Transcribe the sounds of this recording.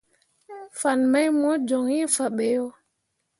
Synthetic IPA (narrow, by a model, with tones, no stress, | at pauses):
fa˨nma˦jmɔ˦d͡ʒɔ˨ŋi˦fa˨ɓɛ˨jɔ˦